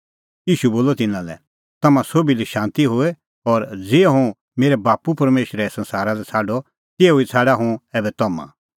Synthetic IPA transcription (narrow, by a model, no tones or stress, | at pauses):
jiːʃuboːlɔt̪ɪnːãlɛ̰ | t̪ɐmãsoːbiliʃãːnt̪iɦʊɛ | ɔɾd͡zeːɦũ | meːɾɛbaːpupɐɾmeːʃɾɛsɐ̃nsaːɾalɛt͡sʰaːɖɔ | t̪eːɦoit͡sʰaːɖaɦũɛːbɛt̪ɐmã̰